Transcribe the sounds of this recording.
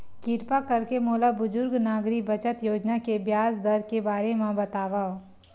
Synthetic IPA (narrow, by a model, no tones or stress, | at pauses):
kɪɾpakɐɾkemoːlabʊzʊɾɡnaːɡɾikbɐt͡ʃət̪joːd͡ʒnakebjaːsd̪ɐɾkebaːɾemãbɐt̪aːʋaː